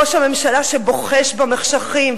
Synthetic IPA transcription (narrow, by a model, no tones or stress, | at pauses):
oʃhame̞mʃalaʃebo̞χeʃbameχʃaχim